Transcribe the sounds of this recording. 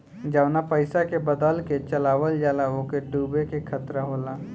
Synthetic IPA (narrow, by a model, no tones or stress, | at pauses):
d͡ʒəʋnapəɪsakebəd̪əlket͡ʃəlaːʋəld͡ʒaːlaoːkeɖuːbekekʰət̪ɾaɦoːlaː